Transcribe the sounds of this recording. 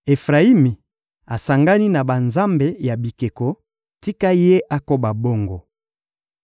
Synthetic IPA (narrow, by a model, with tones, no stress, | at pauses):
e˨fʁa˨i˦mi˨ | a˨sa˨ŋɡa˦ni˦na˨ba˨nza˦mbe˨ja˨bi˨ke˨ko˨ | ti˦ka˦je˦ʔa˦ko˦ba˨bo˦ŋɡo˨